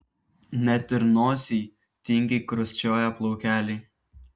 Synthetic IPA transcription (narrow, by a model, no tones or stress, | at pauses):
nʲɛt̪ʲɪɾnoːsʲiː | t̪ʲɪŋʲɡʲekɾʊsʲt͡ʃʲoːjɛplˠɔʊkʲæːlʲɛɪ